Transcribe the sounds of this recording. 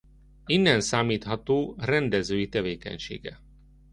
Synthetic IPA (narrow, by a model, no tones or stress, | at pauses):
inːɛnsaːmiːt̪hɒt̪oːrɛnd̪ɛzøːjit̪ɛveːkɛ̰ɲʃḛːɡɛ̰